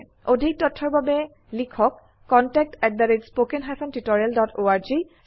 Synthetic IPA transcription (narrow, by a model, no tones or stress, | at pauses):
odʱik̚tɔtʰːɔɹbabɛ | likʰɔkː | ɔntɛk̚tɛt̚daɹid͡ʒspokenɦajpʰɔntitoɹialdɔtʰoaɹzi